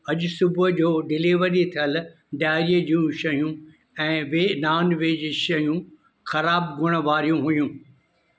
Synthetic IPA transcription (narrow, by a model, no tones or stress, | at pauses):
ɐʄʊsʊbʊd͡ʑoːɖɪliːʋəɾit̪ʰijəl | ɖjaːɾiəd͡ʑũʃɐɦijũ | ɛ̃ːʋeːnaːnʋeːd͡ʑiːʃɐɦjũ | xɐɾaːbɡʱʊɽ̃̆ʋaːɾijũɦujũː